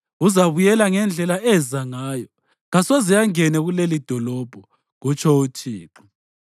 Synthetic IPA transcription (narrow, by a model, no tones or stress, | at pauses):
uzaβujɛlaŋɛnd͡ɮʱɛlaʔɛzaŋaːjɔ | ɣasozijaŋɛnɛɣulelid̥ʱɔlɔb̥ʱɔ | ɣut͡ʃʰʼɔutʰiːǃɔ̥